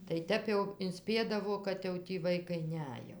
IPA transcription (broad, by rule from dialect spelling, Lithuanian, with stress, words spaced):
tɐɪ ˈtʲɛp jɛʊ ɪnʲˈsʲpʲiɛdɐʋoː kɐt ˈjɛʊ tʲiː ˈʋɐɪkɐɪ ˈnʲɛj jɛʊ